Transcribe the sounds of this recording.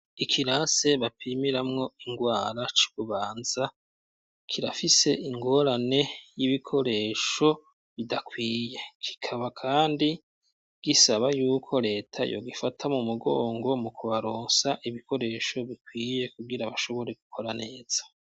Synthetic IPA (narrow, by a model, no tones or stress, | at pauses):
ikʰiɾase̞βapʰimiɾamŋo̞iŋɡwaːɾat͡ʃi̥βuβaːnz̥a | kʰiɾafise̞ʔiŋɡo̞ɾane̞jiβikʰo̞ɾe̞ːʃo̞ | βidakwiːje̞kʰi̥kʰaβakʰaːndi | ɡ̥isaβajuːkʰo̞ɾe̞ːtʰa̰jo̰ɡifatʰamumuɡoːŋɡo̞mukuβaɾoːnsaʔiβikʰo̞ɾe̞ʃo̞βikwiːje̞kuɡiɾaβaʃo̞βo̞ɾe̞ɡukʰo̞ɾane̞ːz̥ḁ